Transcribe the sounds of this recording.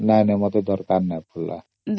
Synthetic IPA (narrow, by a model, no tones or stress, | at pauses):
najnamɔt̪ed̪ɔɾkaɾnajpʰulːa̰ | d̪